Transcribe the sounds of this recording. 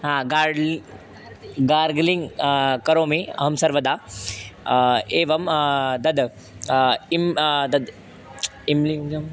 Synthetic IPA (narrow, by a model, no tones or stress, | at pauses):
ɦãɡaːɾɖl | ɡaːɾɡliŋɡkɐɾoːmiɐ̰ɦɐmsɐɾʋɐd̪aː | eːʋɐmd̪ɐd̪ | imd̪ɐd̪ | imliɐm